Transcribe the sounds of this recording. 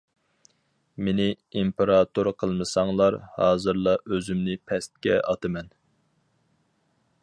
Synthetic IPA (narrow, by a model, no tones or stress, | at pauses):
menɪ | impeɾɑt̪uɾqʰəlˠmɨsɑŋlˠɑɾhɑːzɨɾlˠɑʔøzymnɪpʰɛst̪̚kʲɛʔɑt̪ɨmɛn